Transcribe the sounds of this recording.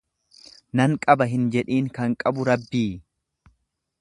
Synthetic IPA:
nɐŋkʼɐbɐɦɪnd͡ʒɛᶑiːŋkɐŋkʼɐbʊɾɐbːiː

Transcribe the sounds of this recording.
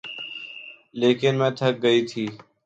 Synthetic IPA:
leːkɪnmɛ̃ːt̪ʰək̚ɡəiːt̪ʰiː

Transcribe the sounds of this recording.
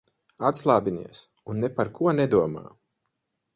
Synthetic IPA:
at̪slˠaːbinḭɛs | unːepaɾkuɔnɛd̪uɔma̰ː

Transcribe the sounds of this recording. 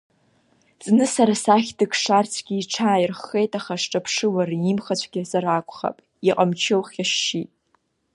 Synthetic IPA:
t͡sʼnɨsaɾasaχʲdɨkʰʂart͡sʰɡʲiːʈ͡ʂʰaːjɪrχːe̞jtʼaχaʂʈ͡ʂʼapʰʂɨwarimχat͡ɕʷʰɡʲɪsaɾakʷʰʼχa̰pʼ | iqʼamt͡ʃʰɪwχʲaʂːitʼ

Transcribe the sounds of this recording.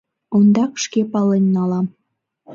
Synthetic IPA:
ond̪ɑkʃkepɑlenːɑlɑm

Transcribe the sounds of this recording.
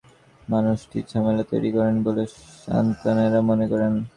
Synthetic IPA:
manuʃʈiɾt͡ɕʰamelat̪ojɾikɔɾenboleʃa̰nt̪aneɾamonekɔɾen

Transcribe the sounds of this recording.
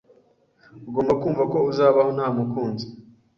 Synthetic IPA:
uɡo̞ːmbakuːɱvako̞uzaːβaho̞nhaːmukuːnzi̥

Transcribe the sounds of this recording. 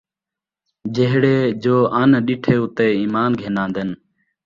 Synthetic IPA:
d͡ʒeɦɽeːd͡ʒoːʔaːnɗiːʈʰeːʊt̪eːiːmaːnɡʱeːnãːnd̪en

